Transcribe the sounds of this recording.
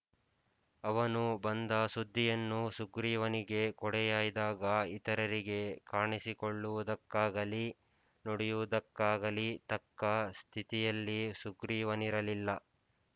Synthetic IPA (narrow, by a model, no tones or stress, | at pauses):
ɐʋɐnubɐnd̪ɐsud̪ʱːijɐnːusuɡɾiːʋɐniɡe̞kɔɽɛjaːjd̪aːɡɐit̪ɐɾɐɾiɡe̞kaːɳisikoɭːuʋud̪ɐkːaːɡɐli | nɔɽɛjuʋud̪ɐkːaːɡɐlit̪ɐkːɐst̪ʰit̪ijɐlːisuɡɾiːʋɐniɾɐlilːɐ